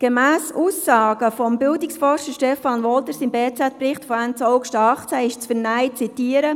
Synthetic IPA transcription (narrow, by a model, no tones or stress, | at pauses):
ɡ̥emæːsuːsːɑːɡ̥əfɔmbɪldɪksfɔrʃəɾʃtɛfɑnʋɔlt̪əɾsimbeːt͡sæt̚prɪχtfɔænt͡sɔʊɡʃtəɑχt͡sæɪʃt͡sfəɾnæɪt͡sitiəɾə